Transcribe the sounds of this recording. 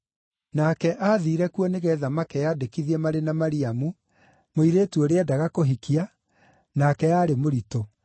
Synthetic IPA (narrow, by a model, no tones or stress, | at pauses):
nakɛʔaːðiːɾɛkuɔneɣɛðamakɛjadekiðiɛmaɾenamaɾiamu | moiɾeːtuɔɾeɛdaɣakoɦikia | nakɛjaːɾemoɾito